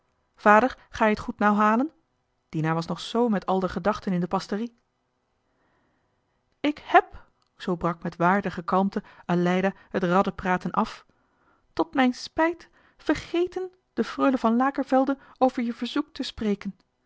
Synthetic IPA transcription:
v̥aːdəɹχaːjəətχutnawɦaːlən | d̥inaːʋɑsnɔχsowmɛtʰɑlˠdəχədɑχtənɪndəpɑstəri | ɪkhɛp | z̥owbrɑkmɛtʋaːɹdəχəkɑlˠmtəalɛjda | hətrɑdəpraːtənʔɑf | tɔtmɛjnspɛjt | fəɹχejtən | d̥əfrøɥləvɑnlaːkəɹvɛlˠdən | owvəɹjəv̥əɹzuk̚təsprejkən

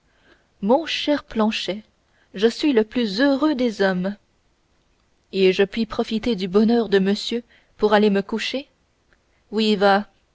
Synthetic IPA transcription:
mɔ̃ʃɛʁplɑ̃ʃɛ | ʒəsɥiləplyzøʁød̪ezɔm | eʒəpɥipχɔfit̪ed̪ybɔnœːʁd̪əməsjø | puʁaleməkuʃe | wiva

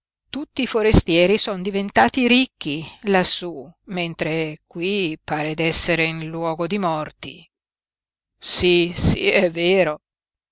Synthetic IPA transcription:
t̪ut̪ːiːfoɾest̪jɛːɾisɔnd̪ivent̪aːt̪iɾikːilasːument̪ɾekwipaːɾed̪ɛsːeɾeinlwɔːɡod̪imɔrt̪i | sisḭɛvːeːɾo

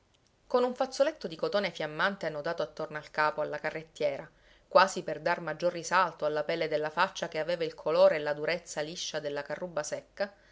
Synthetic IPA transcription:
konuɱfat̪sːolet̪ːod̪ikot̪oːnefjamːant̪eanːod̪aːt̪oat̪ːornoalkaːpoalːakarːet̪ːjɛːɾa | kwaːziperd̪armad͡ʒːorːisalt̪oalːapɛlːed̪elːafat͡ʃːakeaveːvailkʰoloːɾelad̪uɾet̪sːaliʃːad̪elːakarːubːasɛkːa

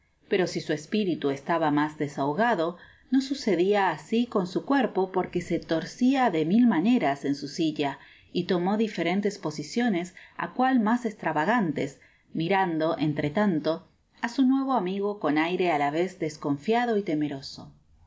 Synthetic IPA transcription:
peɾo̞sisuespiɾit̪uest̪aβamazðesawɣaðo̞ | no̞suseðiaːsiko̞nsukweɾpo̞po̞ɾkese̞t̪o̞ɾsiaðe̞milmane̞ɾase̞nsusiʎa | it̪o̞mo̞ðife̞ɾe̞nt̪espo̞sisjo̞ne̞sa̰kwalmasest̪ɾaβaɣant̪es | miɾand̪o̞ʔent̪ɾet̪ant̪o̞ | asunwe̞β̞o̞amiɣo̞ko̞najɾe̞alaβezd̪esko̞ɱfjaðo̞it̪eme̞ɾo̞so

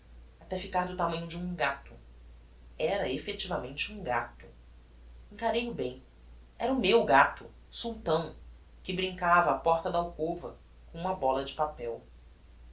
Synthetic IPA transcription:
at̪ɛfikaɾd̪ʊt̪amɐ̃ɲʊd͡ʒɪũɡat̪ʊ | ɛɾɐefet͡ʃivɐmẽnt͡ʃɪũɡat̪ʊ̥ | ẽŋkaɾejʊbẽj̃ | ɛɾɐʊmewɡat̪ʊ | suwt̪ɐ̃w̃ | kɪbɾĩŋkavɐːpɔɾt̪ɐd̪ɐawkovɐ | kõũmɐbɔlɐd͡ʒɪpapɛw

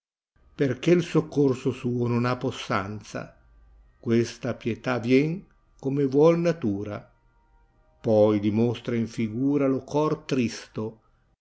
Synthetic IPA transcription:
perk̟elsokːorsosuːononapːosːant̪sa̰ | kwest̪apjet̪avjɛŋ | komebwɔlnat̪uːɾa | pɔjd̪imost̪ɾaiɱfiɡuːɾalokɔrt̪ɾist̪o

